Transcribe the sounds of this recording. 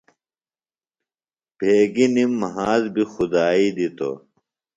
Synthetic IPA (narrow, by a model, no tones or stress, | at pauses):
b̥ʱeːɡinimːɐɦaːzbixud̪aːiːd̪it̪o̰